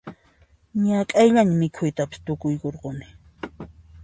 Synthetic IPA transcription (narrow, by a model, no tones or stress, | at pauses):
ɲakʼajʎaɲamɪkʰʊjt̪apɪ̥st̪ʊkʊjkoɾqonɪ̥